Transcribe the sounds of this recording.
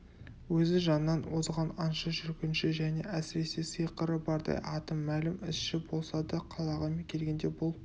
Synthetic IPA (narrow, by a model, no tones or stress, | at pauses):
wɵzɪʒɑnəːɑnwozʁɑnɑnʃɑʒʏɾkʲɪnʃɪʒæne̞̰ʔæsɪɾe̞sesɯjqəɾəbɑɾd̪ɑ̰jʔɑt̪əmːælɪmɪsʃɪbo̞lˠsɑd̪əqʰɑlˠɑʁɑmekʲʰe̞lɡʲe̞nd̪e̞bʊlˠ